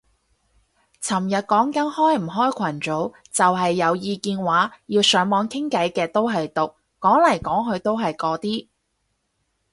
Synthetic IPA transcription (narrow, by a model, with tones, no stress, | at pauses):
t͡sʰɐ˨˩mjɐ˨t̚kɔː˨˥ŋkɐ˨˥nhɔː˥jm̩˨˩ɦɔː˥jkʷʰɐ˨˩nt͡so˨˥w | t͡sɐ˨wɦɐ˨jːɐ˨˧wjiː˧kiː˧nwaː˨˥jiː˧wsœː˨˥ŋmɔː˨˥ŋkʰɪ˥ŋkɐ˨˥jkɛː˧t̪o˥wɦɐ˨jt̪ʊ˨k̚ːɔː˨˥ŋlɐ˨˩jkɔː˨˥ŋɦɵ˨˧ɥt̪o˥wɦɐ˨jkɔː˨˥t̪iː˥